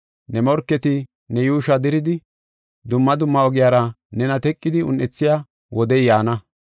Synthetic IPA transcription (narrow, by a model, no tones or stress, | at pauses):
nɛmɔɾkːɛt̪ɪ | nɛjuːʃɐd̪ɪɾɪd̪ɪ | d̪ʊmːɐd̪ʊmːɐɔɡɪjaːɾɐ | nɛnɐt̪ɛkʼːɪd̪ɪʊ̰nʔɛt͡sːɪja | wɔd̪ɛjjaːnɐ